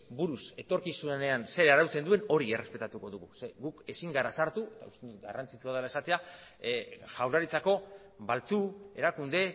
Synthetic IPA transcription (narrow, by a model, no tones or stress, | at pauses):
buɾuse̞t̪o̞ɾkisune̞anse̞ɾeaɾawt͡se̞nd̪ue̞no̞ɾie̞re̞spe̞t̪at̪uko̞ðuɣuseɡuke̞siŋɡaɾasaɾt̪ue̞t̪a̰ust̪end̪uɡa̰rant͡sit͡ʃuaðelae̞sat̪e̞a | ʝawlaɾit͡sako̞ | βalt͡sue̞̰ɾakund̪e̞